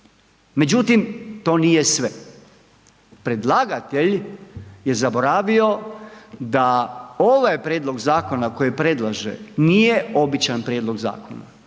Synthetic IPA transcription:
me̞d͡ʑut̪imt̪o̞ːnije̞sʋe | pɾe̞d̪lˠaɡat̪eʎ | je̞zabo̞ɾaːʋio̞ | d̪ao̞ʋajpɾeːd̪lˠo̞ɡzaːko̞nako̞jipɾe̞d̪lˠaʒḛnije̞o̞bit͡ʃanpɾjeːd̪lˠo̞ɡza̰ːko̰na̰

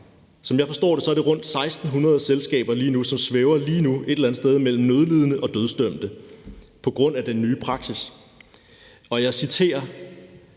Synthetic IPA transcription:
sɒ̽mjɑ̈ɪfɒ̽sd̥ɔ̰ːɾ̥e̝sɒ̽æɐɾ̥e̝ʁɔ̽n̰d̥sɑ̈ɪsd̥n̩ɦunʁɐð̞̩ˠselsɡ̥ɛ̰ːb̥ɐliːnusɒ̽msʋeʊɐliːnue̝ɾelænð̩ˠsd̥eð̞ˠmel̰m̩nøð̞ˠlið̞ˠənəʔɒ̽d̥øð̞ˠsd̥øm̰d̥ə | pʰɒ̽ɡ̥ʁɔ̽n̰æd̥enːyːpʰʁɑ̈ɡ̥sis | ɒ̽jɑ̈ɪsit͡sʰe̝̰ːɐ

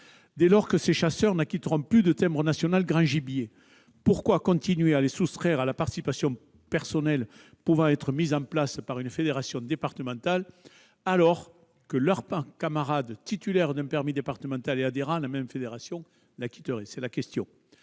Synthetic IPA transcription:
d̪elɔʁkəseʃasœʁnakʲit̪əʁɔ̃plyd̪ət̪ɛ̃mbʁənasjɔnalɡʁɑ̃ʒibje | puʁkwakɔ̃nt̪inɥealesust̪χɛʁalapaʁt̪isipasjɔ̃ | pɛʁsɔnɛl | puvɑ̃ɛt̪χəmizɑ̃plaspaʁynfed̪eʁasjɔ̃d̪epaʁt̪əmɑ̃t̪al | alɔʁ | kəlœʁpɑ̃kamaʁad̪t̪it̪ylɛʁd̪ɛ̃pɛʁmid̪epaʁt̪əmɑ̃t̪alead̪eʁɑ̃lamɛmfed̪eʁasjɔ̃ | laki̥t̪əʁɛsɛlakʲɛst̪jɔ̃

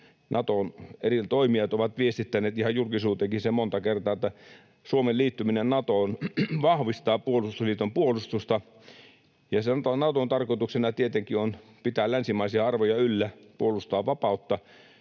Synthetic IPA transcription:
nʔɑt̪onerit̪oimiɑt̪oʋɑt̪ʋiest̪it̪ːæneːt̪ihɑjulkisuːt̪eŋkisemont̪ɑkert̪ɑːet̪ːæ | suomeliːt̪ːyminennɑt̪oːˑnʋɑhʋist̪ɑːpuolust̪usliːt̪ompuolust̪ust̪ɑ | jɑsenɑt̪onɑt̪ont̪ɑrkot̪uksenɑt̪iet̪eŋkionpit̪æːllænsimɑisiɑɑrʋojɑylːæpuolust̪ɑːʋɑpɑut̪ːɑ

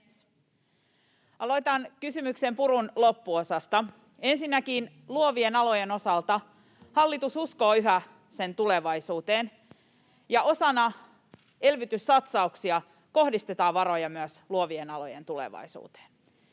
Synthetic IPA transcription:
ɑlojt̪ɑnkysymykse̞mpuɾunlopːuo̞sɑst̪ɑ | e̞nsinːækiːn | luoʋienɑlojeno̞sɑlt̪ɑ | hɑlːit̪ususko̞ːyɦæ | se̞nt̪ule̞ʋɑisuːt̪eːn | jɑʔo̞sɑnɑ | e̞lʋyt̪ysːɑt̪sɑuksiɑ | ko̞hdist̪et̪ɑːʋʋɑɾo̞jɑmyæsluoʋienɑlo̰jḛnt̪ulḛʋɑ̰isṵːt̪e̥ːn

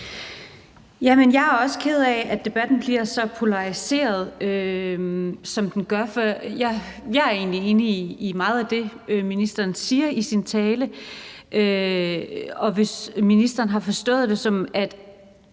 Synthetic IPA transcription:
jæmenjɑ̈ɪæɐɒ̽sə̥kʰe̝ð̞̩ˠɛæd̥e̝b̥æd̥n̩b̥liɐsɒ̽pʰo̝lɑ̈ʁise̝̰ːɐð̞ˠø | sɒ̽md̥enɡ̥ɶɐfɒjɑjɑ̈æɐe̝̰ːnlie̝ːniːmɑ̈ːð̩ˠæd̥e̝minisd̥ɐːnsiːɐisint͡sʰɛːləʔø | ɒ̽ʋe̝sminisd̥ɐːnɦɑ̈fɒ̽sd̥ɔ̰̽ːð̩ˠd̥e̝sɒ̽mæd̥

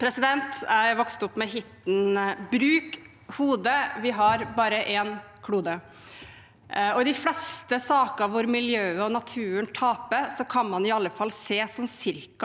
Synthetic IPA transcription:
pʰɾɛsɪd̪ɛnt̪ææʋɔkst̪ʊpːmɛɦɪt̪nbɾʉːk | huːd̪əʋɪɦɑɾbɑːɾəʔɛn | kʰɽuːd̪ə | ɔɪd̪ɪflɛst̪əsɑːkəɑʋʋʊɾmɪljøːəɔnɑt̪ʰʉːənt̪ʰɑːpəɾsɔkʰɑnmɑnɪɑlːəfɑlːseːsɔmsɪɾk

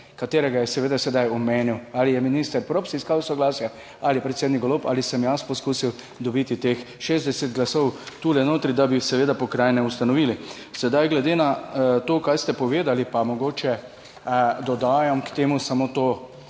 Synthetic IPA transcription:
kat̪eːɾɛɡajɛsɛʋeːd̪asɛd̪ajɔmeːniwalijɛminist̪əɾpɾopsɛiskawsɔɡlaːsja | alipɾɛt̪seːd̪nikɡolopa̰ːlisɛmjaspɔskuːsiw | d̪ɔbit̪it̪ex | ʃeːzd̪ɛsɛt̪̚ɡlasɔwt̪ulɛnoːt̪ɾid̪abisɛʋeːd̪apɔkɾajnɛust̪anɔʋiːli | sɛd̪ajɡlɛd̪eːnat̪oːkajst̪ɛpɔʋeːd̪alipamɔɡoːt͡ʃɛ | d̪ɔd̪aːjɐmkt̪eːmusamot̪o

